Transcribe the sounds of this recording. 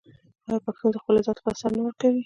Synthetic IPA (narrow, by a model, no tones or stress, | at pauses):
ajapakt̪und̪əxpəlɪzɑt̪pasaɾnawəɾkawi